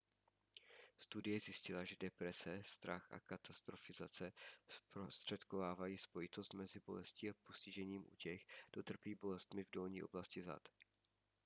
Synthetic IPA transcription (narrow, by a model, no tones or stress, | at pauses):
st̪udɪjɛzjɪscɪlaʒɛdɛpɾɛsɛst̪ɾaxʔa̰kat̪ast̪ɾo̞fɪzat͡sɛspɾost̪r̝̥ɛt̪ko̞vaːvajiːspo̞jɪt̪o̞st̪mɛzɪbo̞lɛsciːapo̞scɪʒɛɲiːmʔṵcɛxd̥o̞t̪r̩piːbo̞lɛst̪mɪvdo̞lɲiːʔo̞̰blascɪza̰t̪